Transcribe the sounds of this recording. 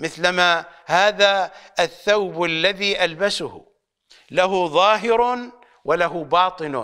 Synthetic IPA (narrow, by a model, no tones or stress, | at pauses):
mɪθlmahaːðaɪθːawbɪlːaðiʔalbasʊhʊ̰ | laɦʊðˤɑːɦɪɾ | wɪlaɦʊbɑːt̪ˤɨn̰